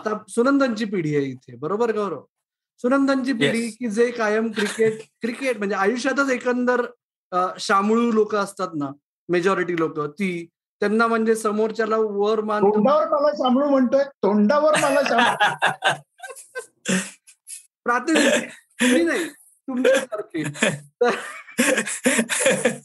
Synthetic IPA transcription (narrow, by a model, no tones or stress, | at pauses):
at̪asunənd̪ʱaɲt͡ɕiːp̬iɽ̤iːait̪ʰebəɾobəɾɡəwɾo̰ | sunənd̪ʱaɲt͡ɕiːp̬iɽ̤iːkiːd͡zeːkajəmkɾikeʈ̚kɾikeʈ̚m̤əɳd͡zeajuɕjat̪̬ət͡sekənd̪əɾ | ɕamɭuːlokəːəst̪at̪na | med͡ʑɔɾiʈiːlokət̪iː | t̪janːam̤əɳd͡zesəmoɾt͡ɕalaʋəɾmaoɳɖaʋəɾmalaɕamɭuːm̤əɳt̪oet̪oɳɖaʋəɾmalasam | pɾat̪imt̪um̤iːnaɦi | t̪um̤isəɾkʰet̪əɾ